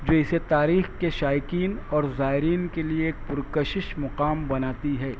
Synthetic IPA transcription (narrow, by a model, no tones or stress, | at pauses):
d͡ʒoːɪset̪aːɾiːxkeʃaːjɪkiːnɔːɾzaːɦɪɾiːnkelieːk̚pʊɾkəʃɪʃmʊqaːmbɐnaːt̪iɦɛː